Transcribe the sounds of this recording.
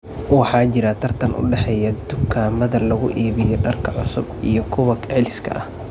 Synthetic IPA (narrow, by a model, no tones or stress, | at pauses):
wɑħɑːt͡ʃɪɾɐt̪ʰɐrt̪ʰɐnʔʊ̰ɖɛħɛjɐd̪ʊkʰaːmɐðɐlɐɣʊʔiːβɪjɔɖɐrkʰɐʕʊsʊbijɔkʰʊβɐkʕɛlɪskʰɐ̰ʔɐh